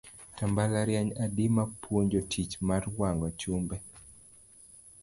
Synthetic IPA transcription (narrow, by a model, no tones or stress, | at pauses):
tambalaɾjaɲadimapʰwoɲd͡ʒotʰit͡ʃmarwaŋɡɔt͡ʃumbɛ